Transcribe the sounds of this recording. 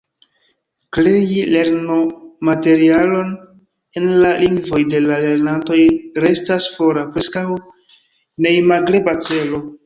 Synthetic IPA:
kɾejile̞ɾnomate̞ɾialo̞n | enlaliŋɡvo̞jde̞lale̞ɾnanto̞jɾe̞stasfo̞ɾapɾe̞skaw | nejmaɡɾe̞bat͡se̞lo̞

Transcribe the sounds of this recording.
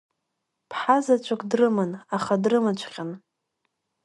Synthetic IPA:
pʰħazat͡ʃʷʰakʷʰʼdrɨmɨnaχadrɨmɨt͡ʃʷʰqʲan

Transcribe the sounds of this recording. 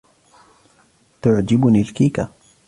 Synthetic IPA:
t̪ʊʕd͡ʒɪbnilkiːka

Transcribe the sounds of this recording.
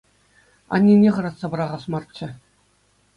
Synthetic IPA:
ɑ̰nʲːinʲeʁɤ̆ɾɑt̪sɑbɤ̆ɾɑʁɑsmɑrt̪t͡ɕːɘ̆

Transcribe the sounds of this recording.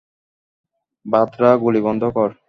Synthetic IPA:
bat̪ːɾaɡulibɔnd̪ʱokɔɾ

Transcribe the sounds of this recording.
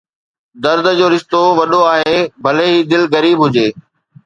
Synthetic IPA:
d̪ɐɾd̪ʱəd͡ʑoːɾɪʃt̪oʋɐɗoaːɦeːbʱɐleɦiːd̪ɪlɣɐɾiːbɦʊd͡ʑeː

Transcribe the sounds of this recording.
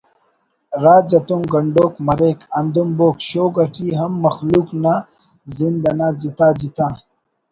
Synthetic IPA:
ɾaːd͡ʑɐt̪uŋɡɐɳɖoːkmɐɾeːkɐnd̪umboːkɕoːɡɐʈʰiɦɐmːɐxluːkna | zind̪ɐnaːd͡ʑit̪aːd͡ʑit̪ãː

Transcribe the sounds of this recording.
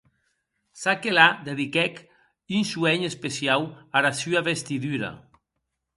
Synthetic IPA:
sakelad̪eðikɛk | ynsuɛɲespesiawaɾasyaβest̪iðyɾa̰

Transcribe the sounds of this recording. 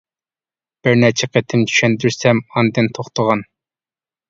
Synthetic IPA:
b̥ɪɾnɛt͡ʃʰɛqʰet̪ʰɪmt̪ʰy̥ʃɛnd̪yɾsɛmɑnd̪ɨnt̪ʰoχt̪ʰəʁɑn

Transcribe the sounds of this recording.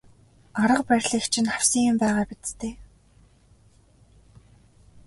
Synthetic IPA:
aɾə̆qpæɾʲɮĭːxt͡ɕʰɪ̆nχaw̥siːŋʊmpæːʁaːpit̪t̪ʰeː

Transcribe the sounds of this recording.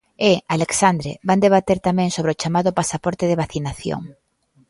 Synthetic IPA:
ealeksand̪ɾḛband̪eβ̞at̪eɾt̪amɛ̃ŋsoβɾeot͡ʃamaðʊpasapɔɾt̪ɪðeβaθinaθjo̰ŋ

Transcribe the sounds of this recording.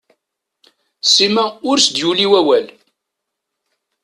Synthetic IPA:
simæʊɾsd̪juliwæwæl

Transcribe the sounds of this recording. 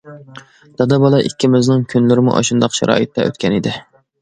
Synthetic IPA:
d̪̥ɑd̪ɑbɑlˠɑʔikʲːimyznɪŋkʲʰynlɪɾɪmṵʔɑ̰ʃund̪ɑqʃɑ̰ɾɑ̰ːjit̪ʰːɛʔø̰t̪kʲʰɛnɪd̪ɪ

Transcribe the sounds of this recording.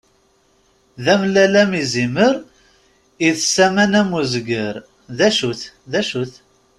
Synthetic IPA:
ðæmlælæmiziməɾ | iðsæmænæmuzɡəɾ | ðæʃuθðæʃuθ

